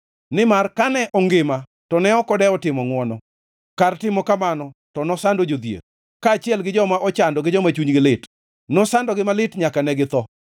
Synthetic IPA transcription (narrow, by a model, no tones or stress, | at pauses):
nɪmarkanɛʔɔŋɡɪma | tɔnɛɔkɔdɛɔtɪmɔŋwɔnɔ | kartɪmɔkamanɔtɔnɔsandod͡ʒod̪jḛr | kaːt͡ʃɪɛlɡɪd͡ʒɔmaʔɔt͡ʃandɔɡɪd͡ʒɔmat͡ʃuɲɡɪlɪt | nɔsandɔɡɪmalɪtɲakanɛɡɪt̪ɔ